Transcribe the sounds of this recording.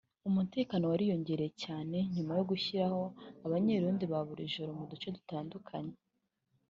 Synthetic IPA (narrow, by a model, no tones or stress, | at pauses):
umute̞ːkaːno̞waɾijo̞ɲɟe̞ːɾejecaːne̞ɲumajo̞ɡuçiɾaho̞aβaɲe̞ɾuːndiβaβuɾḭʒoɾomudut͡ʃe̞dutaːndukʰaɲe